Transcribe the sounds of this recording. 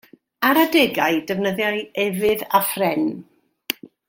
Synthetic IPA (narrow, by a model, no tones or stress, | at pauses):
aɾadɛɡaɨdɛvnəðjajɛvɨðafrɛn